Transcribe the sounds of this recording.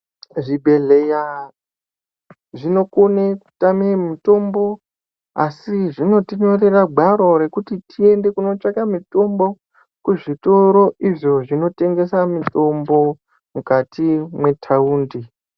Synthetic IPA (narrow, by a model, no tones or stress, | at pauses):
ʐibʱe̞ɮeja | ʐino̞koneku̥tamemito̞mbo̞ | asiʐino̞tiɲore̞raɡʱaɾo̞ɾe̞kutitʰie̞nde̞kuno̞t͡ʂakamito̞mbo̞ | kuʐito̞ɾo̞iʐo̞ʐino̞te̞ŋɡe̞samito̞mbo̞ | mukatimwe̞tʰauːndi